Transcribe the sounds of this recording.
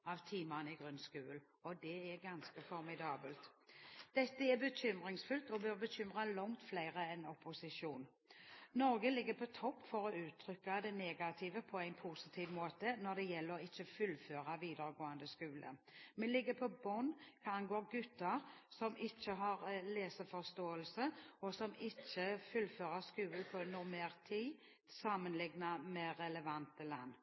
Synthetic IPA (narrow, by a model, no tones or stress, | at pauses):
ɑʋt̪ʰiːmɑnɪɡʁʉnskʉːl | ɔd̪ɛɛɾɡɑnskəfɔɾmɪd̪ɑːbəlt̪d̪̥ɛt̪ːəɛbəɕʏmʁɪŋsfʉlt̪ɔbœɾbəɕʏmʁalɔŋt̪flæɪʁəɛnɔpʊsɪʂuːn | nɔɾɡəlɪɡːəpʰɔt̪ʰɔpːfɔɾɔʉːt̪ʰɾʏkːad̪ɛneːɡat̪ʰiːʋəpʰɔæɪnpʰusɪt̪ʰiːʋmoːt̪ənɔɾd̪ɛjɛlːəʁɔɪt͡ʃːəfʉlføːɾaʋiːd̪əɾəɡoːənd̪əskʉːlə̰mɛnlɪɡːəpʰɔbɔnkʰɑɑnɡoːɾɡʉt̪ːɑɾsɔmɪt͡ʃːəɦɑɾleːsəfɔst̪oːəlsəɔsɔmɪt͡ʃːəfʉlføːʁəskʉːləpʰɔnʊʁmeːʁt̪ʰiː | sɑmːənlɪɡnamɛɾɛləʋɑnt̪əlɑ̰nː